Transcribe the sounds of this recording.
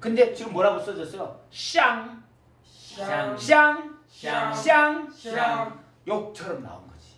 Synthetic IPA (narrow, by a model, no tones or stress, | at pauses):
kɯnde̞t͡ɕiɡɯmːwʌɾaɡos͈ʌd͡ʑʌs͈ɯjoɕ͈aŋ | ɕaŋ | ɕaŋaŋ | jok̚t͡ɕʰʌɾʌmna̰ṵnɡʌd͡ʑi̥